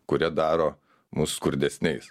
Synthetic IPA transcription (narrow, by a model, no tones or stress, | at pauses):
kʊɾʲiɛd̪ɑːɾoː | musskʊɾʲd̪ʲɛsʲnʲɛɪs